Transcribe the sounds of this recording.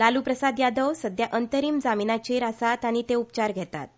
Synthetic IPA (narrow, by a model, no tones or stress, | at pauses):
lalupɾəsad̪jad̪əwsəd̪jaʔənt̪əɾiːmd͡zaminat͡ɕeɾasat̪aɽ̃it̪eupt͡ɕaɾɡʱɛt̪a̰t̪̚